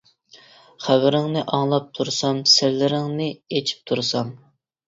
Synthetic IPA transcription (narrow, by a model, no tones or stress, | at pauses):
χæwɪɾɪŋnɨʔɑŋlˠɑp̚t̪ʰuɾsɑmsɪɾlɪɾɪŋnɪet͡ʃʰi̥p̚t̪ʰuɾsɑm